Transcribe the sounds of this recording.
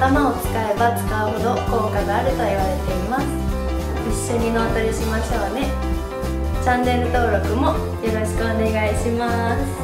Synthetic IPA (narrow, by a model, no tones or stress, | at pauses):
t̪amao̞t͡sɨ̥kae̞bat͡sɨ̥kaɯho̞d̪o̞ko̞ːkaɡaːɾɯ̟t̪o̞iβ̞aɾe̞t̪e̞imasɨ̥ | iɕːo̞ɲ̟inoːt̪oɾʲiɕimaɕi̥t̪aβane̞ | t͡ɕãnd̪e̞ɾɯt̪o̞ːɾo̞kɯ̟mo̞ | jo̞ɾo̞ɕi̥kɯ̟one̞ɡaiɕimasɨ̥